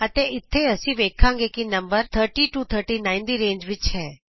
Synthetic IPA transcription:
ət̪eɪt̪ʰːeəsĩʋeːkʰːãŋɡekinə̃mbəɾt̪ʰəɾʈiʈuːt̪ʰəɾʈinaːɪ̃nd̪iɾẽːnd͡ʒʋɪt͡ʃʰɛː

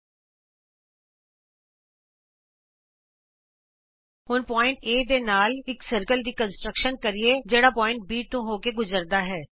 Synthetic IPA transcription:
hʊnpɔːɪ̃ɳʈeːd̪eːnaːlɪksəɾkəld̪iːkənsʈɾəkʃənkəɾieːd͡ʒeːɽaːpɔːɪ̃ɳʈ̚biːt̪ũːɦoːkeɡʊzəɾd̪aːɦɛː

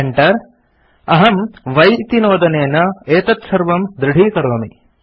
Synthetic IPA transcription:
eɳʈɐɾ | ɐɦɐmʋɐjt̪inoːd̪ɐneːnɐeːt̪ɐt̪sɐɾʋɐmd̪ɾɪɽ̤ʱiːkɐɾoːmi

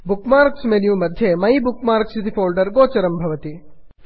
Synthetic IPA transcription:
bukmaːɾksmenjumɐd̪ʱjemɐjbukmaːɾksid̪ifoːlɖɐɾɡoːt͡ʃɐɾɐmbʱɐʋɐt̪i

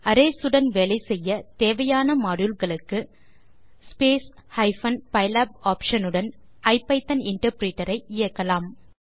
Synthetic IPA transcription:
ɐɾeːsɯɽɐnʋɛɭɐɪsɛjːɐt̪eːʋɐjaːnɐmaːɽɯlɣɐɭɯkːɯ | speːshɐɪfɐnpɐɪlaːb̚aːpʂɐnɯɽɐnɐɪpːɐɪt̪ːɐnɪɳʈɐɾpɾiːʈːɐɾɐɪɪjɐkːɐlaːm

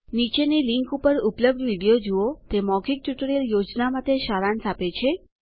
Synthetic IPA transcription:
nit͡ʃeniliŋkupəɾupləb̚ɖ̪ʋiɽijod͡ʒuot̪emɔɡik̚ʈjuʈəɾijəljod͡ʒnamat̪eʃaɾansapet͡ʃʰe

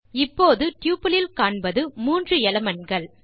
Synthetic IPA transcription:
ɪpːoːðɯʈjuːpɐlɪlkaːɳbɐðɯmuːndrɯɛlɐmɐnɡɐɭ

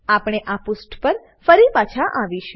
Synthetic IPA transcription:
apɽ̃eʔapʊsʈpəɾ | fəɾipat͡ʃʰaʔaʋiʃũ

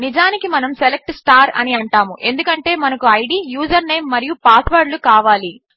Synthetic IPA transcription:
nid͡ʒaːnikimɐnɐmselek̚ʈsʈaːɾɐ̰niɐɳʈaːmuʔe̞nd̪ukɐɳʈe̞ːmɐnɐkuɐjɖiːjuːd͡ʒɐɾne̞ːmːɐɾijupaːt̪ʰʋɐːɾlukaːʋaːli

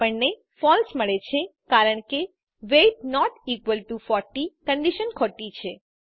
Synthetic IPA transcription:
əɳne | fɔlsməɭet͡ʃʰekaɾəɳke | ʋeʈ̚nɔʈikʋəlʈufɔɾʈikəɳɖiʃənkʰɔʈːit͡ʃʰe

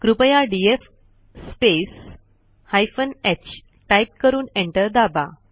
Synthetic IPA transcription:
kɾupəjaɖief | spes | hajfənet͡ɕ | ʈajp̚kəɾuːnẽɳʈəɾd̪aba

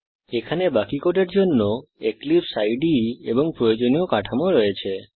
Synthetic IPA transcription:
ekʰanebakikoʈeɾd͡ʒonːoeklipsajɖiebɔŋpɾɔjod͡ʒonijokaʈʰamoɾɔet͡ʃʰe

